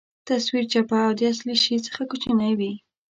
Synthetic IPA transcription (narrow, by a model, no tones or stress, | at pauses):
t̪aswiɾt͡ʃapaawd̪əasliʃit͡sə̥xakut͡ʃənajwi